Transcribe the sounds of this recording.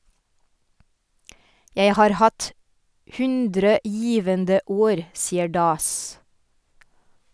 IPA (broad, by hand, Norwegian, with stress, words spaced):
ˈjeɪ ˈhɑːɾ ˈhɑt ˈhʉndɾə ˈjiːʋəndə ˈoːɾ ˈsiːə ˈɖɑːs